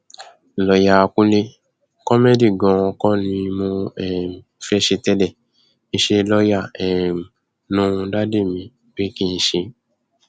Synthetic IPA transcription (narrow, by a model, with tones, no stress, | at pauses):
lɔ˨ja˨kũ˦le˧ | kɔ˦me˦di˦˨ɡɔ̃˨ɔ̃˧kɔ̃˦nĩ˧mõ˧ɛ˦˨ | fɛ˦ʃe˧tɛ˧lɛ˦˨ | nĩ˦ʃe˧lɔ˦ja˦˨ɛ˨m˨ | nũ˦˧da˦de˦˨mĩ˨ | be˦kĩ˦n̩˧ʃe˧